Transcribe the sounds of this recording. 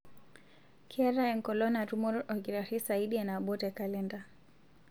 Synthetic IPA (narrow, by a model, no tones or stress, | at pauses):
kʰiɛɾaɛŋkɔlɔnaɾumɔɾʔɔɡiɾaɾisaidianabɔtɛkalɛnda